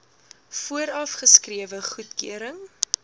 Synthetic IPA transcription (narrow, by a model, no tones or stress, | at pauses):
fuəɾɐfχəskriəvəχutkøəɾəŋ